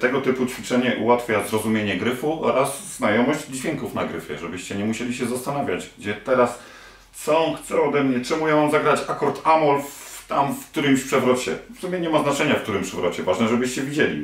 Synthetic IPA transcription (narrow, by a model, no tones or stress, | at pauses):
t̪ɛɡɔt̪ɘput͡ɕfʲit͡ʂɛɲɛʔṵwat̪fʲjazɾɔzumʲjeɲɛɡɾɘfuɔɾazznajɔmɔʑd͡ʑd͡ʑvʲjɛŋkufnaɡɾɘ̰fʲjɛ̰ʐɛbɘɕt͡ɕɛɲɛmuɕelʲiɕɛzast̪anavʲjad͡ʑɡ̚d͡ʑɛt̪ɛɾas | t̪sɔ̃xt̪sɛɔd̪ɛmɲɛt͡ʂɛmujãzaɡɾat͡ɕakɔɾt̪ʰamɔlft̪amfk̚t̪uɾɘmɕpʂɛvɾɔt͡ɕɛ̰fsumʲjɛɲɛmaznat͡ʂɛɲafkt̪uɾɘmpʂɛvɾɔt͡ɕɛvaʐnɛʐɛbɘɕt͡ɕɛvʲid͡ʑelʲḭ